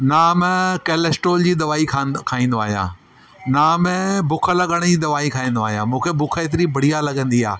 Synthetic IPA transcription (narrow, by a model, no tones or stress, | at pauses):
naːmkeːlesʈoːld͡ʑiːd̪ɐʋaːikʰakʰaːĩːn̆d̪oaːɦijã̰ː | naːmebʊkʰəlɐɠəɽ̃d͡ʑiːd̪ɐʋaːikʰaːĩːn̆d̪oaːɦijãːmũːkʰebʊkʰəet̪ɪɾibʱɐɽijalɐɠə̃nd̪ia̰ː